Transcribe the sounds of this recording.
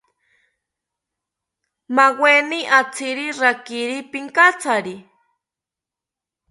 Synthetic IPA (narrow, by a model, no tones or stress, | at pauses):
maweniʔat͡sʰiɾiɾakiɾipiŋkat͡sʰaɾi